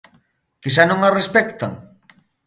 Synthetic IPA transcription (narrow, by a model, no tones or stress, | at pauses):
kisanõŋarespɛkt̪a̰ŋ